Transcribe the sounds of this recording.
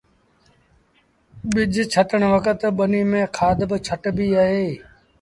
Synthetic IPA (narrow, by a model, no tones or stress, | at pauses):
ɓɪd͡ʒʱt͡ʃʰəʈəɳʋəkət̪ɓəniːmẽːkʰaːd̪bt͡ʃʰəʈbiːaːɦeː